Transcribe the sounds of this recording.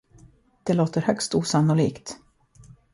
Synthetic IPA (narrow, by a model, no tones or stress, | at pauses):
d̪̥ɛloːt̪əɾhœkst̪uːsanːʊliːkt̪